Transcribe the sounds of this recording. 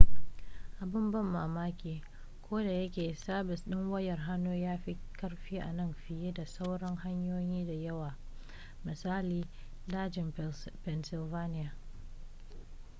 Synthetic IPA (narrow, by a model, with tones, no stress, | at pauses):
ʔa˨bɪ˦mbɐ˦mːaː˨maː˦kʲeː˨ | kʷoː˦da˨jɐ˦kʲeː˨saː˦bɪ˨sɗɪ˦ŋwɐ˦jɐ˨rɦa˦nːoː˦jaː˦ɸi˦kɐ˦rɸiː˦ʔa̰˨nɐ˦˨mɸɪ˨jeː˦da˨sa˦wɽɐ˦ŋha˦ɲjoː˦jiː˦da˨jɐ˦waː˨ | mɪ˨saː˦liː˨ | daː˦d͡ʒɪ˨mpɛ˨nsɪ˨lvaː˦nɪ˦jaː˨